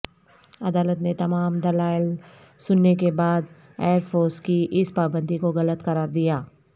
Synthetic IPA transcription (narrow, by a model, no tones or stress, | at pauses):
ɐd̪aːlət̪net̪ɐmaːmd̪ɐlaːɪl | sʊnːekebaːd̪ | eːəɾpʰoːɾskiʔɪspaːbə̃nd̪ʱikoɣɐlət̪kɐɾaːɾd̪ijaː